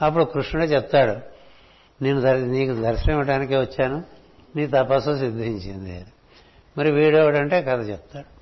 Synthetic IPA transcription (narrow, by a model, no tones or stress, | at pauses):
ɐpːuɽukɾuʂnɐɽoːt͡ʃɛpt̪ːaːɽu | neːnːud̪ɐniːkud̪ʱɐɾɐsɾɐːmɐʈaːnikeːʋɐt͡ʃːaːnu | niːt̪ɐpaːsusid̪ʱːiɲt͡ʃind̪iḛɾu | mɐɾiʋiːɽjoːʋɐʈɐɳʈe̞ːkɐd̪ɐt͡ʃɛpt̪ːaːɽu